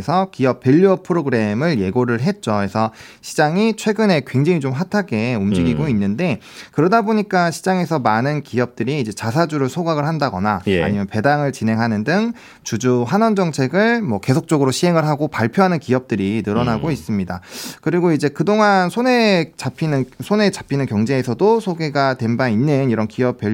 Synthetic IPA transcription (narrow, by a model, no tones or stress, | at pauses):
sʰʌkijʌp̚ːeʎːuʌpʰɯɾoɡɯɾe̞mɯɭje̞ɡoɾɯɭɦe̞t̚t͡ɕ͈oe̞sʰʌ | ɕʰid͡ʑaŋit͡ɕʰwe̞ɡɯne̞kwe̞ŋd͡ʑeŋit͡ɕomɸatʰaɡe̞umd͡ʑiɡiɡoinːɯnde̞ | kɯɾʌdaboɲik͈aɕʰid͡ʑaŋe̞sʰʌmanɯnkiʌp̚t͈ɯɾiːd͡ʑe̞t͡ɕasʰad͡ʑuɾɯɭsʰoɡaɡɯɭɦandaɡʌnaja̰ɲimjʌnpe̞daŋɯɭt͡ɕinɦeŋɦanɯndɯŋ | t͡ɕud͡ʑuɦanʌnd͡ʑʌŋt͡ɕʰe̞ɡɯɭmwʌke̞sʰok̚t͡ɕ͈ʌɡɯɾoɕʰiɦe̞ŋɯɭɦaɡopaɭpʰjoɦanɯnkiʌp̚t͈ɯɾinɯɾʌnaɡois͈ɯmɲida̰kɯɾiɡoid͡ʑe̞kɯdoŋansʰone̞t͡ɕapʰinɯnsʰone̞t͡ɕḁpʰinɯnkjʌŋd͡ʑe̞ːsʰʌdosʰoɡeɡatwe̞mbainːɯniɾʌnkiʌp͈ʰːjʌ